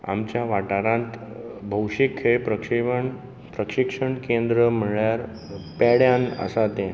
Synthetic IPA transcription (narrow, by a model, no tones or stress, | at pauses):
a̰mt͡ɕjaʋaʈaɾãnt̪bʱəwʂikʰepɾəɳ | pɾəkʂikʂəɳkend̪ɾəm̤əɭjaɾ | pɛɽjãnə̰sat̪ẽ